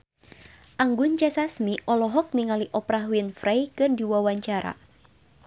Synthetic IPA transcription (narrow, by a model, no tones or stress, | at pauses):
ʔaŋɡʊnt͡ʃasasmiʔɔlɔɦɔk̚niŋaliʔɔpɾaɦwinfrajkɨrdiwawaɲt͡ʃaɾa̰